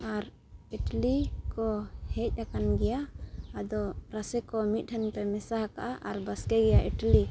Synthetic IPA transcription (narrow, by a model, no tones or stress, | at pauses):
aɾ | iʈlikɔhɛc̚ˀakanɡɛjaːd̪ɔɾasɛkɔmit̪̚ˀʈʰɛnpɛmɛsahaka̰ʔaʔaɾbaskɛɡɛjaʔiʈli